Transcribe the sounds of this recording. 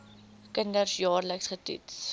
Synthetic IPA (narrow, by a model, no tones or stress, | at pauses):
kəndərsjɑːrləksχətḭts